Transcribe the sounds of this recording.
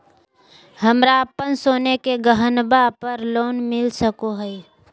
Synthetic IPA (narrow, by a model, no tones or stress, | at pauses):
həmɾapənsoːnekeɡəɦənbapəɾloːnmɪlsəkoɦɛi